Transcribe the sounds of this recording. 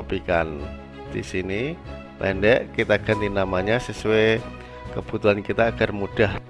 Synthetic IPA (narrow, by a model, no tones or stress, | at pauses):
pikan | d̪̥isini | pɛ̰ndɛʔkit̪aɡ̥a̤nt̪inamaɲasəsue | kəb̥ut̪uɦankit̪aːɡ̥armud̥ah